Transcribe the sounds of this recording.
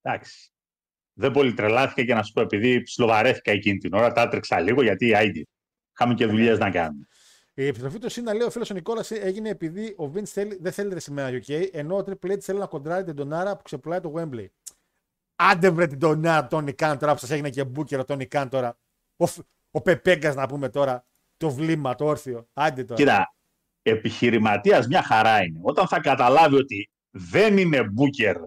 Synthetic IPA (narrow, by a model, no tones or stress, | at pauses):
d̪̥ɐksi̥ | ðebo̞lit̪ɾelɐθi̥kɐcenɐssu̥poe̞piðipsilo̞vɐɾe̞θi̥kɐecinit̪ino̞ɾɐt̪ɐt̪ɾiksɐliɣo̞ʝɐt̪iːɐjd̪i | xɐmice̞ðuʎeznɐkɐ̰nune | iepist̪ɾo̞fit̪usinːɐleio̞filosoniko̞lɐsie̞ʝineːpiðiʔo̞vinsθe̞liðeθeliɾesimenɐoce̞iʔe̞no̞ːt̪ɾik̚pleit̪sθelinɐko̞nd̪ɾɐɾit̪id̪o̞nɐɾɐpu̥kse̞pulɐit̪oɣwe̞mblej | ɐnd̪evɾet̪id̪o̞nɐɾɐt̪o̞nikɐnt̪o̞ɾɐposɐseʝinece̞buce̞ɾot̪onikɐnt̪o̞ɾɐ | of | ope̞peŋɡɐznɐpume̞t̪o̞ɾɐ | t̪o̞vlimɐt̪ooɾθio̞ɐnd̪et̪oit̪ɐ | e̞piçiɾimɐt̪iɐzmɲɐxɐɾɐine̞o̞t̪ɐnθɐkɐt̪ɐlɐvio̞t̪i | ðenine̞buce̞ɾ